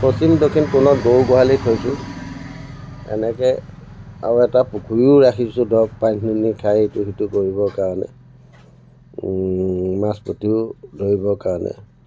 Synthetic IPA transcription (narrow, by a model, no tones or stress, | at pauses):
pɹosimdokʰinkʊnɔtɡowɡɔɦalitʰojsʊ | ɛ̰nɛkɛ | a̰ɹɛtapukʰujʊɹakʰisʊ̃dɔk̚pasninikʰajetuɦitʊkoɹiβɔkaɹɔnɛ̰ | maspɹotiʊdʱoɹibɔkaɹɔnɛ̰